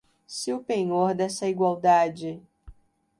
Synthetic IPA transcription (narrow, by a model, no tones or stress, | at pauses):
siʊpẽɲoɾd̪ɛsɐiɡwawd̪ad͡ʒɪ